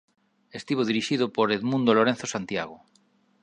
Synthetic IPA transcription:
est̪iβ̞oðiɾiʃiðopoɾeðmũnd̪oloɾen̟θosant̪jaɣo

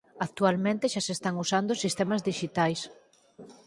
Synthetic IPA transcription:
ak̚t̪ualmẽnt̪eʃasest̪aŋusand̪ʊsist̪ɛmɐzðiʃit̪ajs

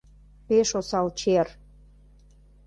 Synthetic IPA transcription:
peʃosɑlt͡ɕer

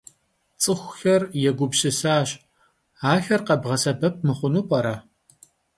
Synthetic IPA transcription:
t͡sʼɨxʷxɐrjɛɡʷʊbɕɪsaːɕ | aːxɐrqɐbʁɐsɐbɐp̚mɨχʷʊnuːpʼɐɾɐ

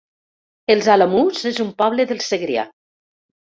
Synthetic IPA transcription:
elˠzalamuzezumpɔβleðelˠseɣɾea̰

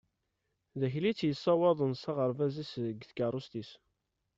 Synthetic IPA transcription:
ðæçlit͡sːjəsˤːɑwɑðˤənsɑʁəɾˤvæzisəɡθkɑɾˤust̪is

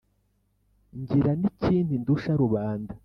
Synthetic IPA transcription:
ɲɟiɾaniciːndinduʃaɾuβaːnda

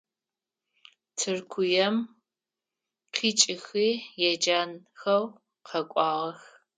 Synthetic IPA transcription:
tʰɨrkʷʰʊjɛm | qʰiːt͡ʃʼɪxiːjɛd͡ʒaːn | xɐw | qʰɐkʷʼɑːʁɐx

